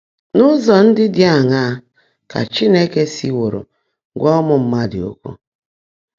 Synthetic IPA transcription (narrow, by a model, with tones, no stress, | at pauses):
nʊ˦zɔ˨n̩˦dɪ˦dja˦˨ŋa˦ | ka̰˨t͡ʃi˦ne˦ke˦si˦wo˨ɾo̰˨˦ | ɡʷɔ˦mʊ˨m̩˦ma˦dɪ̰˨o̰˦kʷṵ˦